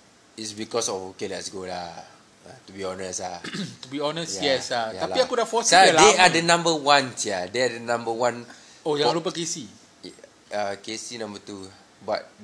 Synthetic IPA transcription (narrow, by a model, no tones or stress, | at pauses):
itsbikɔsɔfokelɛtsɡola | at̪ubiɔnəsat̪ubiɔnəsjjɛsajaalapiakudafɔsaldeadənãmbəwãnsiadeadənãmbəwãn | ojaŋlup̬əkesi | əkesinãmbət̪u | bat̚